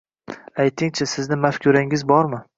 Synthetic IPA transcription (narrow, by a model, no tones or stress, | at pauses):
ajt̪ʰɪŋt͡ʃʰasɪznɪmafkʲʰʊɾaŋɪzbɒɾmɪ